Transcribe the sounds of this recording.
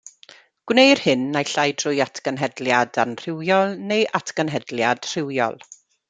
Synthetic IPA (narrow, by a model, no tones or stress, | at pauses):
ɡ̥wnejr̥hɨnːajɬajdrʊjatʰɡənɦɛdljadanr̥ɪwjɔlˠnejʔatʰɡənɦɛdljad̥r̥ɪwjɔ̰lˠ